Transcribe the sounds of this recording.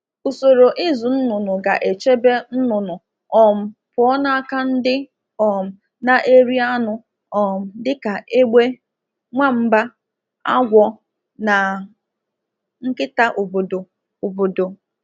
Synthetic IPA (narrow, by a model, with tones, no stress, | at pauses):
o˨so˨ɾo˨ʔɪ˦zʊ˨n̩˦nʊ˨nʊ˨ɡa˨ʔe˨t͡ʃe˦be˦n̩˦nʊ˨nʊ˨ | ɔ˨m̩˨pʊ˨ɔ˦na˦a˦ka˦n̩˦dɪ˦ | ɔ˨m̩˨ | na˨ʔe˦ɾi˦a˦nʊ˨ | ɔ˨m̩˨dɪ˦ka˨ʔe˦ɡ͡be˦ | ŋʷa˦m̩˦ba˦ | a̰˦ɡʷɔ˦˨ | na˨ | ŋ̩˦kɪ˦ta˦ʔo˨bo˨do˨ | o˨bo˨do˨